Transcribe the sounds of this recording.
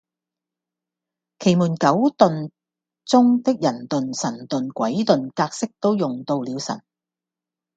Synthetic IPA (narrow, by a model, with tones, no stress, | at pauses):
kʰe˨˩jmuː˨˩nkɐ˨˥wt̪ɵ˨n | t͡sʊ˥ŋt̪ɪ˥k̚jɐ˨˩nt̪ɵ˨nsɐ˨˩nt̪ɵ˨nkʷɐ˨˥jt̪ɵ˨nkaː˧k̚sɪ˥k̚t̪o˥wjʊ˨ŋt̪o˧wliː˨˧wsɐ̰˨˩n